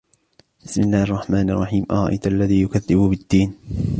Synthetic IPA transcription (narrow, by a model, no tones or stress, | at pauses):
bɪsmɪlːaːhʔɑrˤːɑħmaːnɪʔɑ̰rˤːɑħiːmʔɑɾˤɑʔa̰jt̪ʔalːaðiːjʊkaðːɪbʊbɪd̪ːiːn